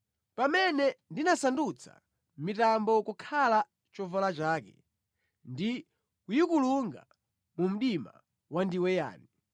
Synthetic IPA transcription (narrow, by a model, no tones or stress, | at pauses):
pamɛnɛndinasandut͡sʰa̰ | mitambɔkukʰala | t͡ʃɔvɔlat͡ʃaːkɛ̰ | ndi | kujikuluŋɡa̰ | mum̩ɗima̰ | wandiwɛja̰ːni